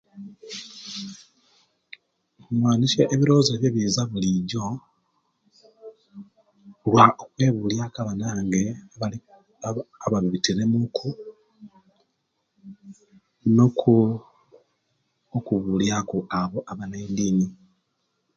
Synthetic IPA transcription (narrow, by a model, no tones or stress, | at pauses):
mwaːniʃeʔeβiɾo̞ːzeβjeβizaβuliɟo̞ | lwaʔokwe̞ːβuljakaβanaːŋɡe | aβaβiβitiɾe̞mukʰu | noku | okuβuljakuʔaβo̞ʔaβaned̪iːni